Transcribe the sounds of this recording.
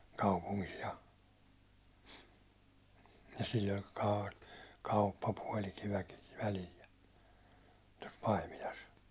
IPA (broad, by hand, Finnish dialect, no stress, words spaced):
kɑupuŋkis jɑ jɑ silː olʲ kɑ kɑupːɑpuɒlityæ̹kiʋ ʋælil jɑ tos pɑimilɑs